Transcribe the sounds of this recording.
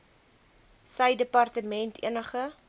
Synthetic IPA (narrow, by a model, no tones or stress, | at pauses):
səjdəpɐrtəmɛntʰḭənəχə